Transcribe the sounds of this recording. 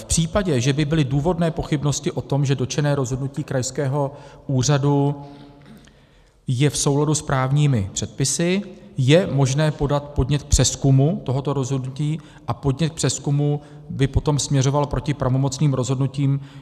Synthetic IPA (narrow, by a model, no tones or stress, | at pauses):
fpr̝̥iːpaɟɛʒɛbɪbɪlɪduːvo̞dnɛːpo̞xɪbno̞scɪʔo̞t̪o̞mʒɛdo̞t͡ʃɛnɛːɾo̞zɦodnuciːkɾajskɛːɦo̞ʔuːr̝adu | jɛfso̞wladuspɾaːvɲiːmɪpr̥ɛt̪̚pɪsɪjɛmo̞ʒnɛːpo̞dat̪po̞dɲɛt̪̚k̚pr̝̥ɛskumut̪o̞ɦo̞t̪o̞ɾo̞zɦodnuciː | ʔapo̞dɲɛt̪̚k̚pr̥ɛskumu | bɪpo̞t̪o̞msmɲɛro̞valpɾo̞cɪpɾavo̞mot͡sniːmɾo̞zɦo̞dnuciːm